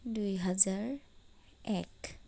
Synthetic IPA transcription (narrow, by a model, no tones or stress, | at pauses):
dujɦazaɹ | ɛk